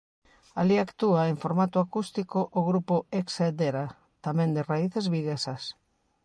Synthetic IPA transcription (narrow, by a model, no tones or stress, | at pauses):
aliakt̪uaeŋfoɾmat̪ʊakust̪ikoʔːɣɾupʊeksed̪eɾa | t̪amẽnd̪eraiθezβiɣesɐs